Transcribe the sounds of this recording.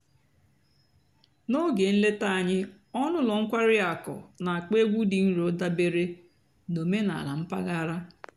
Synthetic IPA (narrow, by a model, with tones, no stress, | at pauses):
no˦ɡe˨n̩˦le˦ta˦a˨ɲɪ˦ | ɔ˦nʊ˦lɔ˨ŋ̩˦kʷa˦ɾɪ˦a˨kɔ̰˨na˨a˨k͡pe˦ɡʷu˦di˨n̩˦ɾʊ˦da˦be˦ɾe˦ | no˨me˦na̰˨la̰˨m̩˦pa˦ɣa˦ɾa˦